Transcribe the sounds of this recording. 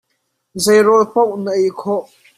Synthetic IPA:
zejɾɔlpɔʔ̚nəʔɛjkʰɔʔ

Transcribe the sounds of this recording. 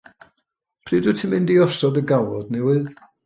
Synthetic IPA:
pʰriːdɨtʰɪmɪndiɔsɔdəɡawɔdnɛwɨð

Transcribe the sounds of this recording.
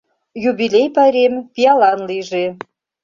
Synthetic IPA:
jubʲilʲejpɑɾʲempʲiɑlɑnliʒe

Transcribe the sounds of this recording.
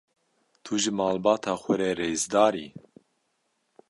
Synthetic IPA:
t̪ʰuʒɨmɑːlbɑːt̪ʰaːxʷɛɾɛːɾeːzd̪ɑːɾḭː

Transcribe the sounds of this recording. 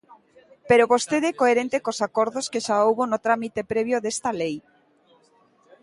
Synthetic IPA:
peɾoβost̪eðekoeɾent̪ekosakoɾðoskeʃaowβonot̪ɾamit̪epɾeβjoðest̪alej

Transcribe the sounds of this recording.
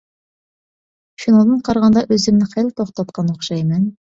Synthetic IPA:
fʲinod̪ɤɴqɑɾʁɑnd̪ɑʔɵzɘ̆mnɘχælt̪oχt̪ɑt̪qɑnoχʃɑjmɘn

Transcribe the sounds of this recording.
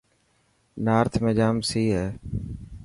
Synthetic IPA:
naːɾt̪ʰmẽːd͡ʒaːmsiːɦeː

